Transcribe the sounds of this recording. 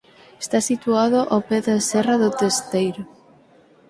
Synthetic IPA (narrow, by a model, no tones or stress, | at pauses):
est̪asit̪uaðʊʔopɛðasɛraðʊt̪est̪ejɾʊ